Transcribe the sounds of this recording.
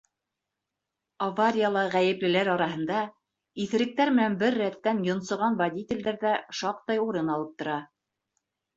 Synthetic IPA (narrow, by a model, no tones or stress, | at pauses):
avaɾʲijalˠɤʁæjɘ̆plɘ̆læɾɑɾɑɦɤ̆nd̪ɑ | iθɘ̆ɾɘ̆k̚t̪æɾmɘ̆nænbɘɾːæt̪ːænjŏnsɤ̆ʁɑnvadʲit̪ʲɪ̆ld̪æɾðæʃɑq̚t̪ɑjuɾɤnɑlˠɤp̚t̪ŏɾɑ